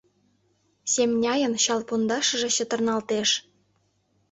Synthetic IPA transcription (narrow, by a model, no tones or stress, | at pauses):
sʲemnʲɑjə̆nɕɑlˠpund̪ɑʃɤ̆ʒĕɕə̆t̪ɤ̆rnɑlt̪eʃ